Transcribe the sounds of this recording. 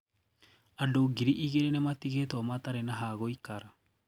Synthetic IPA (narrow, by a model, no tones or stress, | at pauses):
adoɡiɾiʔiɣeɾenematiɣetɔmataɾenaɦaɣoikaɾa